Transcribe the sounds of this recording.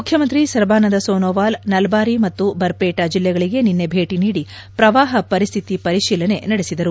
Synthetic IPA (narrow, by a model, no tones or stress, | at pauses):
mukʰjɐmɐnt̪ɾisɐɾbaːnɐd̪ɐsoːnoːʋaːlnɐlbaːɾimɐt̪ːubɐɾpeːʈad͡ʒilːɛɡɐɭiɡe̞ninːe̞bʱeːʈiniːɽi | pɾɐʋaːɦɐpɐɾist̪ʰit̪ipɐɾiʃiːlɐne̞nɐɽesid̪ɐɾu